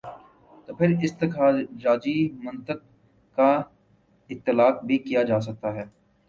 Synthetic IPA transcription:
t̪oːpʰɪɾɪst̪ɐkaːd͡ʒaːd͡ʒimɐ̃nt̪əq̚ | ka | ɪt̪ːɪlaːq̚bʱikijad͡ʒaːs̬ɐk̚t̪aɦɛː

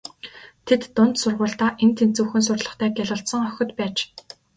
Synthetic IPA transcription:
t̪ʰet̪ːʊn̥t̪sʊrʁʊːɬt̪aːʔent̪ʰent͡suwxɘ̆ns̬ʊrtɮə̆χt̪ʰæːɡʲæɮʊːɬt̪sɞ̆ŋœxʲɵ̆t̪pæːt͡ɕ

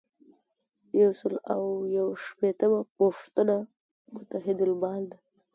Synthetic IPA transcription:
jawsəlawjawaʃpet̪əmapoʂt̪əna | mʊt̪aɦɪd̪albɑld̪a

